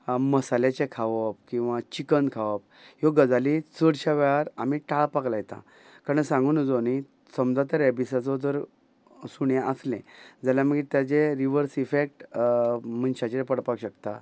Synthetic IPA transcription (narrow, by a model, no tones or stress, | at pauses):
məsalet͡ɕẽkʰaʋəp̚kĩw̃ʋat͡ɕikənkʰaʋəp | jɔɡəd͡zalit͡səɽɕaʋaɭaɾamiʈaɭpaklajt̪a̰ | kaɾənsãŋɡuːnd͡zoni | səmd͡zat̪əɾɛbisat͡sɔt̪əɾ | suɳjãʔəslẽd͡zaljaməɡit̪jat͡seɾiʋəɾsifek̚ʈ | mənɕat͡ɕepəɽpakɕəkt̪a̰